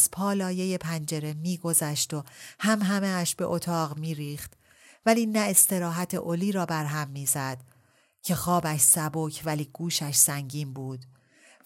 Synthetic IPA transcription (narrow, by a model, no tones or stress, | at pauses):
z̥pʰɒːlɒːje̞je̞pʰænd͡ʒe̞ɾe̞miːɡo̞zæʃt̪o̞hæmɦæmeæʃbe̞̰ʔot̪ʰɒːɣmiːɾiːxt̪ | væliːnæe̞st̪e̞ɾɒːɦæt̪ʰḛʔoliːɾɒːbæɾɦæmːiːzæd̪̥ | cʰe̞xɒːbæʃsæboːcʰvæliːɡ̥uːʃæʃsæŋɟiːmbuːd̪̥